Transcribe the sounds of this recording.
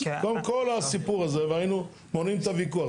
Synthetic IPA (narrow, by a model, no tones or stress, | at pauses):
ɡamkolasipuʁazevainu | monimt̪avikua